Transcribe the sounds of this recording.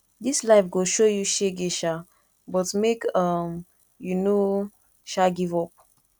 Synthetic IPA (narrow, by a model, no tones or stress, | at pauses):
dislaɪfɡoʃojuʃeɡeʃa | bɔtmekʌm | juno | ʃaɡivɔp̚